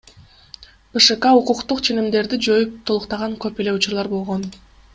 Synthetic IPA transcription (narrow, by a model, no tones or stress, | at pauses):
b̥ɨʃɨkɑuquqt̪uqt͡ʃʰe̞nimd̪e̞ɾd̪id͡ʒo̞jup̚t̪ʰolˠuqt̪ɑʁɑŋkøpe̞le̞ut͡ʃuɾlˠɑɾbo̞lˠʁo̞n